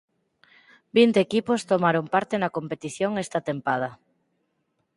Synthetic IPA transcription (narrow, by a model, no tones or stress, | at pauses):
bint̪eːkipost̪omaɾompaɾt̪enakompet̪iθjoŋest̪at̪empað̞ɐ